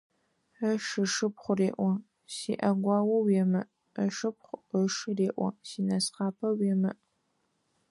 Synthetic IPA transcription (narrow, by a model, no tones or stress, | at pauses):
əʂɨʂɨpχʷʊreːʔʷɐ | siːʔɐɡʷɑːwɐwjɛmɨ | əʂɨp̚χʷəʂɨreːʔʷɔ̰siːnɐsχɑːpʰɐwjɛmɨʔ